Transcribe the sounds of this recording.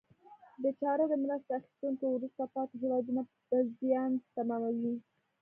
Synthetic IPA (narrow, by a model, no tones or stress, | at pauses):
d̪ət͡ʃɑɾod̪əmɾast̪axi̥st̪uŋkowɾust̪apɑt̪eɦewɑd̪una | pəzjɑnt̪amɑmawi